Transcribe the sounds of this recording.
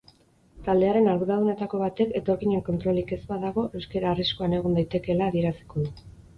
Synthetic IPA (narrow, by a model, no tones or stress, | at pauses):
t̪ald̪e̞aɾe̞naɾɣuðaðune̞t̪ako̞β̞at̪e̞ke̞t̪o̞ɾkiɲeŋko̞nt̪ɾo̞like̞zbaðaɣ̞o̞ʔe̞wske̞ɾaːriskoane̞ɣ̞und̪ajt̪e̞ke̞laːðie̞ɾasi̥ko̞ðu